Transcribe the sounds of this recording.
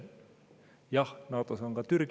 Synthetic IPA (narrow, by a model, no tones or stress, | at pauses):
jɑnɑwt̪ɑsɑŋɡkɑt̪yrk